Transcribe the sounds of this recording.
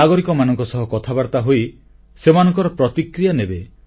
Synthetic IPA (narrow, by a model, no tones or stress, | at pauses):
aɡɔɾikɔmanɔŋkɔsɔɦɔkɔt̪ʰabaɾt̪aɦoi | semanɔ̃ŋkɔɾɔpɾɔt̪ikɾijanebe